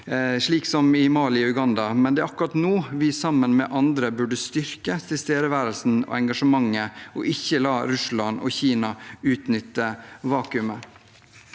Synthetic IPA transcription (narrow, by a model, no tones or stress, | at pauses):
ʂɭiːksɔmɪmɑːlɪɔʉɡɑnd̪ɑmɛnd̪ɛæːʔɑkʉɾɑt̪noːʋɪsɑmːənmɛ̰ʔɑnd̪ɾəbʉɖəst̪ʏɾkəst̪ʰɪlst̪eːɾəʋæːɾəlsn̩ɔ̰ɛŋɡɑʂəmɑŋːəɔ̰ʔɪçːəlɑːɾʉslɑnɔ̰çiːnɑʉːt̪nʏt̪ːəʋɑːkʉmə